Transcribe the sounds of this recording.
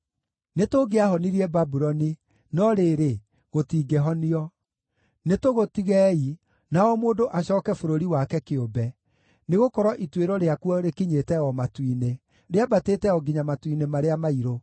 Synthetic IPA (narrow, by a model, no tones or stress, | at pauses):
netoɡeaɦɔniɾiɛbabuɾɔni | nɔɾeːɾe | ɣotiːɡeɦɔniɔ | netoɣotiɣɛːi | naɔmoːndoʔaɕɔːkɛfoɾoɾiwakɛkeobɛ | neɣokɔɾɔʔitweɾɔɾeakuɔɾekiɲetɛɔmatwine | ɾeabateːtɛɔɡiɲamatwinemaɾeamaiɾo